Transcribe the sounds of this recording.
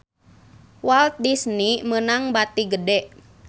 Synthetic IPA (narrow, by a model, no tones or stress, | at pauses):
walt̪̚disnimənaŋbat̪iɡədɛʔ